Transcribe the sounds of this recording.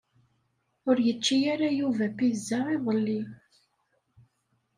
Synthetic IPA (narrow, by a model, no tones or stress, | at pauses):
ʊɾjət͡ʃːijaɾajuvæpizːaʁiðˤəlːi